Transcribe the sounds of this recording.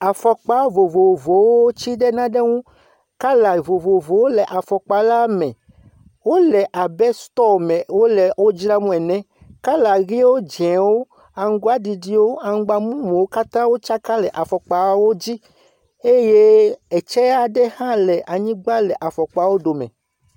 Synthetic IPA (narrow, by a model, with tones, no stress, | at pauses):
a˨fɔ˨k͡pa˨˦vo˨vo˨vo˨wo˦o˦t͡ɕi˦ɖɛ˦nã˦ɖe˦ŋũ˦ | ka˦la˨vo˨vo˨vo˨wo˦lɛ˨ʔa˨fɔ˨k͡pa˨la˦mɛ̃˨ | wo˦lɛ˨ʔa˨bɛ˦st̪ɔ˦˨mɛ̃˨wo˦lɛ˨wo˦d͡ʒɾa˦mũ˦ɛ˨nɛ̃˦ | ka˦la˨ɣi˦wo˦d͡ʒɛ̃˨wo˦ | a˨ŋ̩˦ɡu˦a˦di˨ɖi˦wo˦a˨ŋ̩˦ɡ͡ba˨mũ˦mũ˨wo˦ka˦t̪ã˦wo˦t͡ʃa˦ka˦lɛ˨ʔa˨fɔ˨k͡pa˨˦wo˦d͡ʑi˦ | e˦je˦ɛ˨t͡ʃɛ˦a˦ɖɛ˦hã˦lɛ˨ʔa˨ɲĩ˦ɡ͡ba˦lɛ˨ʔa˨fɔ˨k͡pa˨wo˦ɖo˨mɛ̰̃˨